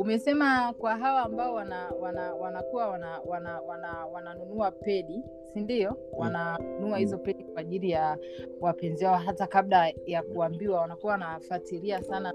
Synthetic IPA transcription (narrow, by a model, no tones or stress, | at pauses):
umɛsɛmakwaɦawaːmbaɔwanawanawanakuwawanawanawanawananunuapɛɗi | sindiɔwananunuahizɔpɛɗikwaːʄiɾija | wapɛnziwaɔɦatakablajakuambiwawanakuwawanafatiɾiasana